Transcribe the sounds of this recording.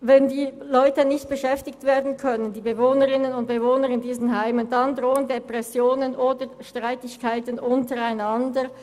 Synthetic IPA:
vɛndiː | lɔʏtənɪçt̚b̥əʃɛftɪktv̥eːɐdn̩kʰœnəndiːbəvoːnəʁɪnənʊnt̚b̥əvoːnəɾɪndiːzn̩ɦaɪməndandʁoːəndepʁɛsjoːnənʔoːdəʃtʁ̥aɪtɪçkʰaɪtn̩ʔʊntəʁaɪnandəʁ

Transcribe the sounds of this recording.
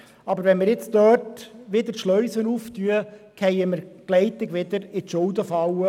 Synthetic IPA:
ɑbəɾʋɛnmɪɾjɪt͡st̪œːtʋɪd̪əɾʃlœʏsənuːft̪yəkʰɛjəməɾɡ̥lɛɪt̪ɪɡʋɪd̪əɾɪt̪ʃʊld̪əfɑwə

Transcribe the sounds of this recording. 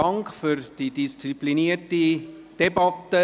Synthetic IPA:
ɑŋkfyrd̥idist͡sipliniəti | d̥ebɑtə

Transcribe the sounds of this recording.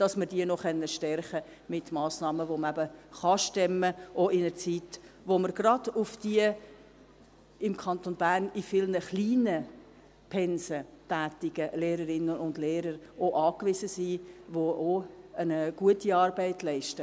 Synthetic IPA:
d̥ɑsməɾdiənɔχœnːəʃtɛɾχə | mɪtmɑːsnɑːməʋoməæbəχɑʃtɛməʔoʔɪnəɾt͡siːtʋoməɾɡɾɑd̥ʊfd̥iə | ɪmkʰɑnt̪onbæːɾnifɪlnəχliːnə | pʰɛnsətæːtɪɡ̥əleːɾəɾɪnəʊndleːɾəɾʔoʔɑːkvɪsəsiːʋoʔoənəɡ̥uətiɑːɾbæɪtlɛɪʃtə

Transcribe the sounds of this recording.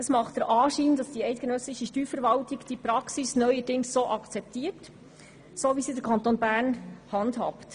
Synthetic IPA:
d̥ɑsmɑχtdəɾʔɑːʃiːnd̥ɑsd̥iɛɪt̚ɡ̥enœslɪʃəʃtyːɾfəɾvɑltiɡd̥ipɾɑksisnœʏədɪŋsːoːʔɑkt͡sɛp̚tiːəɾt | soːvisidəɾkʰɑnt̪oːnbæːɾnhɑndhɑ̰pt

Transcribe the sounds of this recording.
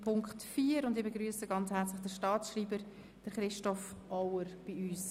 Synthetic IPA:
pʰʊŋkχtfiːəɾʊndɪbeɡɾyːsəɡɑnt͡shɛɾt͡slɪχd̥əʃtɑːt͡ssʃriːbəɾ | d̥əɾχɾɪʃtɔfʔɔwəɾb̥iyːs

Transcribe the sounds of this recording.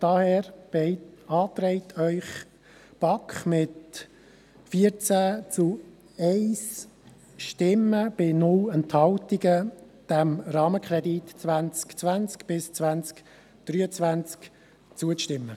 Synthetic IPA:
d̥ɑhɛːɾb̥ɛɪtɑːt̪ɾɛɪt̪ʰœʏχ | b̥ɑkχmɪt | fiəɾt͡sæːt͡su | ɛɪs | ʃtɪmːəb̥ɪnʊlɛnthɑltiɡə | d̥æmɾɑːməkʰχɾɛditt͡svænt͡skt͡svænt͡skb̥ɪst͡svænt͡sk | d̪̥ryːət͡svænt͡sk | t͡suəʃtɪmːə

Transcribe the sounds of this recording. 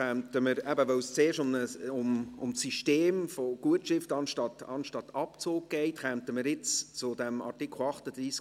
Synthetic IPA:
ɛmtəməɾɛbəvœʊst͡seːʃʊmnəʊmʊmsiʃteːmfoɡ̥uətʃɪftɑnʃtɑtɑ̰nʃtɑtɑpt͡soːk̚ɡ̥ɛɪtχɛmtəməɾɪt͡st͡sʊd̥ɛmɑ̰rtikʰl̩ɑχtəd̥̪ɾiːs

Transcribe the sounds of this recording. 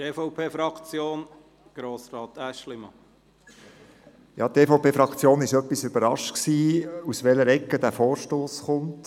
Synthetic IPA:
teːfoʊpʰeːfɾɑkt͡sjoːn | ɡ̥ɾoːsɾɑːt̪æʃlɪmɑ | jɑ̰t̪eːfoʊpeːfɾɑkt͡sjoːnɪʃœpːisʏb̥əɾɑʃtksiːusʋɛləɾɛkːədæːɾfoːɾʃtoːsχʊnt

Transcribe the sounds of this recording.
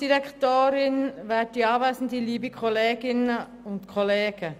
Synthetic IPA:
d̥iɾɛktoːɾɪnʋɛːd̥iɑːʋɛːsən̩diliːbikʰɔleːɡɪnə | ʊntkʰɔleːɡ̥ə

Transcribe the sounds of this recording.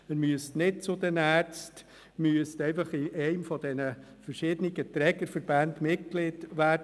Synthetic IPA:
məmyəstnɪt̚t͡sʊd̪ɛnæːɾt͡st | myəst̪ɛɪfɑχiʔɛɪmfɔd̥ɛnə | fəɾʃɪːd̥̪əniɡət̪ɾɛɡəɾfəɾb̥ænd̪mɪt̚klɪdʋæːd

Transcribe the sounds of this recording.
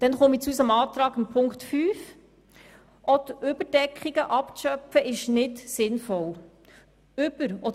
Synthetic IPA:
d̥ɛnχomit͡susəmɑːt̪ɾɑːɡɪnpʰʊŋktfyːf | ʔɔtʏbəɾd̥ɛkχiɡ̥əʔɑpʃœpfəʔɪʃnɪtsɪnfɔl | ʏb̥əɾɔ

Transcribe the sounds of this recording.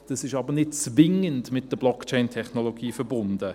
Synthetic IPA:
d̥ɑsɪʃɑbənɪt̚t͡svɪŋəndmɪt̚d̥əblɔkt͡ʃɛɪntʰɛχnoloɡiːfəɾbʊndə

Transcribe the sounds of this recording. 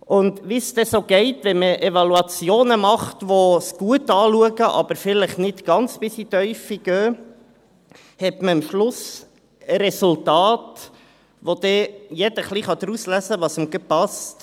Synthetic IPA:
ʔʊnd̪ʋist̪ɛsoːɡ̥ɛɪtʋɛməʔevɑluɑt͡sjoːnəmɑχtʋosɡ̥uətɑːluəɡəʔɑ̰b̥əɾfɪləχnɪtɡ̥ɑnt͡sb̥ɪsit̪œʏfiɡ̥øː | hɛtməəmʃlʊs | əɾɛsultɑːt | ʋod̪ɛjɛd̥əχliχɑd̪əɾuslæsəʋɑsəmɡəpɑst

